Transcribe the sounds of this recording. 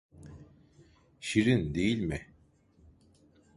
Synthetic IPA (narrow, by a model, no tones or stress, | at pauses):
ʃiɾind̪ejilʲmɪ